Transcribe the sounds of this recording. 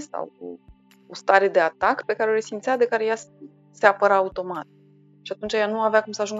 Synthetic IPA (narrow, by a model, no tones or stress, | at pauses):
sa̰wo̰ | ost̪aɾe̞d̪e̞at̪akpe̞kaɾeo̞ɾesimt̪sʲad̪e̞kaɾe̞ja | se̞apəɾaːut̪o̞mat̪̚ | ʃiat̪unt͡ʃajanuaveakumsəaʒuŋɡ